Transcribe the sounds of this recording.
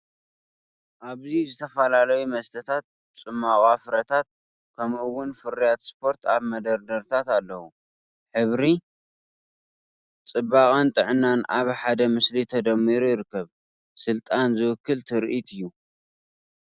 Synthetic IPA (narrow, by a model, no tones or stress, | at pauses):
ʔaβzizɨt̪ʰɐfɐlalɐjumɐst̪ʰɐt̪ʰat̪̚bt͡sʼɨmːakʼafɾɐt̪ʰat̪̚ | kʰɐmʔɨwʊnfɨɾijat̪spʰo̞ɾt̪ʰaβmɐd̪ɐɾd̪ɐɾt̪ʰat̪alːɐwu | ħɨβɾi | t͡sʼɨbːakʼɐnt̪ʼɨʕnːanaβħad̪ɐmɨslit̪ʰɐd̪ɐmːiɾujɪɾɨkːɐβ | sɨlt̪ʼanzɨwɨkːɨlt̪ʰɨɾʔit̪ʰɨjːu